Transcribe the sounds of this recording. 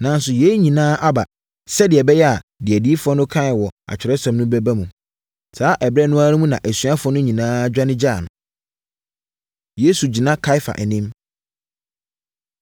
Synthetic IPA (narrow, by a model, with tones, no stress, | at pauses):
nã˨n˦sʊ˨je˨˦ɲĩ˨nãː˦ʔa˦ba̰˨ | sɛ˦dɪ˨ɛ˨bɛ˦jɛ˦a˨dɪ˨ɛ˨di˦fɔ˦nʊ̃˦kʰã˦˨wɔ˨a̰˨t͡ɕᶣɪ˨ɾɛ˦sɔ̃˨mnʊ̃˦bɛ˦ba˦mũ˨ | saː˨˦ʔɛ˨bɾɛ˦nʊ̃˦a˦nʊ̃˦mũ˦nã˨ʔæ˨sɥa˦fɔ̃˦nʊ̃˦ɲĩ˨nãː˦d͡ʑᶣa˦nɪ̃˦d͡ʑa˦˨nʊ̃˨ | je˦su˨d͡ʑi˨nã˦kʰa˦ɪ˦fa̰˨ʔɛ˨nĩ˦m